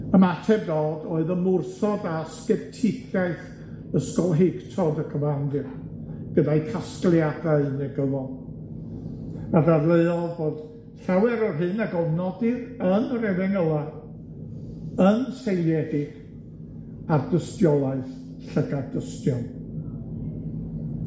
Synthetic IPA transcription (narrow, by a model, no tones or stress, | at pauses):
əmatʰɛbdoːdoːɨðəmʊrsɔdaskɛp̚tʰɪɡʰjaɨθ | əskɔlˠɦeɨktʰɔdəkʰəvandɨ | ɡ̥ədajkʰasklˠjadaɨnɛɡəvɔlˠ | adadlˠeɨɔlˠvoːd̥ | ɬawɛɾɔrɦɨnaɡɔvnɔdɨrənrɛðɪŋəlˠa | ənsejlˠjɛdɪɡ̥ | ardəstjɔlˠaɨθ | ɬəɡadəstjɔn